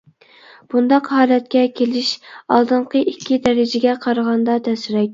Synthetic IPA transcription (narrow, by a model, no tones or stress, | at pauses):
b̥und̪ɑqhɑːlɛt̪̚kʲɛkʲʰelɪʃɑ̰lˠd̪ɨɴqʰəʔikʲʰːid̪ɛɾɪd͡ʒɪɡʲɛqʰɑɾəʁɑnd̪ɑt̪ʰɛsɪɾɛk̚ʲ